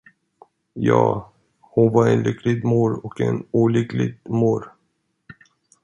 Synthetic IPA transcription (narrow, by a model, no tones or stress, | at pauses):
jɑ̰ː | hʊnvaɾɛnlʏkʰlɪɡmuːɾɔkɛ̰nuːlʏklɪ̰ɡmuːɾ